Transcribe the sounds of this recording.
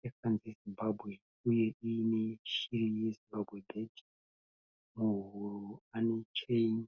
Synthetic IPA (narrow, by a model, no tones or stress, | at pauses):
ekanzezimbabʱwe̞ | uje̞ineʃiɾijezimbabʱwebʱed | muɦuruanet͡ʃejn